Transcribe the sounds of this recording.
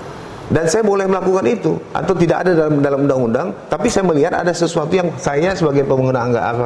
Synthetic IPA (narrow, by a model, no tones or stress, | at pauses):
dansajabolɛhməlakukanit̪uʔa̰t̪awt̪idaka̰dadalamdalamundaŋundaŋt̪apisajaməliɦat̪a̰dasəsuat̪ujaŋsajasəbaɡajpəməŋənaːŋɡa̰ʔa̰ka